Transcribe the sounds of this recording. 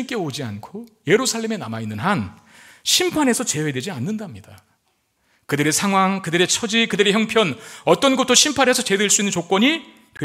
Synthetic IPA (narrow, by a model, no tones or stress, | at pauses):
ik͈e̞od͡ʑia̰nkʰoje̞ɾusʰaɭːe̞me̞namainːɯnɦan | ɕʰimpʰane̞sʰʌt͡ɕe̞we̞dwe̞d͡ʑianːɯndamɲid̥a | kɯdɯɾe̞sʰaŋɦwaŋkɯdɯɾe̞t͡ɕʰʌd͡ʑikɯdɯɾe̞çjʌŋpʰjʌnʌt͈ʌnɡutʰːoɕʰimpʰane̞sʰʌt͡ɕedweɭs͈uinːɯnt͡ɕok͈wʌɲi | te